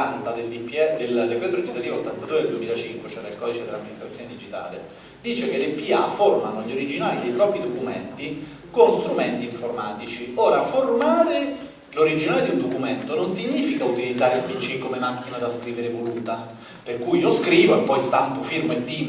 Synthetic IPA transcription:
nt̪ad̪eld̪ipɛd̪eld̪epːɾɛt̪oɾed͡ʒizat̪iːvoot̪ːant̪ad̪ued̪eld̪uemiːlat͡ʃiŋkwet͡ʃɛd̪elkɔd̪it͡ʃed̪elamːinist̪ɾat̪sjoned̪id͡ʒit̪a̰ːle | d̪iːt͡ʃekelepiaformanoʎoɾid͡ʒinaːlid̪ejpɾɔːpɾid̪okument̪i | konst̪ɾument̪iːɱformaːt̪it͡ʃioːɾaformaːɾe | loɾid͡ʒinaːled̪iund̪okument̪ononsiɲːiːfikaut̪ilid̪zːaːɾeilpit͡ʃːikːomemak̟ːinad̪askɾiːveɾevoluːt̪a | perkujioskɾiːvoepːɔjst̪ampofirmoed̪i

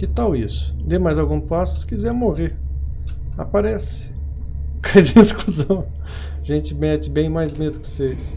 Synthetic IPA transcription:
kɪt̪awisʊ̥d̪emajzawɡũpasʊ̥sɪ̥kizɛɾmoʁeɾ | a̰paɾɛsɪ̥ | kʰajd̪eɪskusɐ̃w̃ | ʒẽnt͡ʃɪmɛt͡ʃɪbẽj̃majzmed̪ʊkɪ̥ses

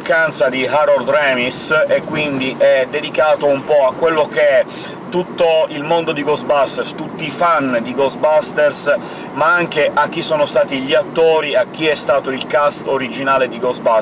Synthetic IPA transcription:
kant̪sad̪iɦaɾord̪rɛmisekːwind̪iʔɛd̪ed̪ikaːt̪oumpɔakːwelːokeɛ | t̪ut̪ːoilmond̪od̪iɡɔsbast̪erst̪ut̪ːiːfand̪iɡɔsbast̪ers | maaŋkeʔak̟ːisoːnost̪aːt̪iʎiat̪ːoːɾiak̟ːiɛst̪aːt̪oilkast̪oɾid͡ʒinaːled̪iɡɔsba

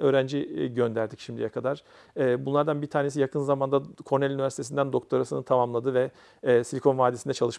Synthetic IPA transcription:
ø̞ːɾænd͡ʒiɟønd̪æɾd̪icʃimd̪ijɛkʰad̪aɾ̥ | ɛːbunlˠaɾd̪anbiɾt̪ʰaːne̞sijakʰɯnzamand̪akʰo̞ɾnælʲynivʲæɾsit̪ʰe̞s̬ind̪ænd̪o̞k̚t̪ʰo̞ɾasɯnɯt̪ʰamamlˠad̪ɯvɛː | silʲkʰo̞nvaːd̪esind̪ɛt͡ʃʰalˠɯʃ

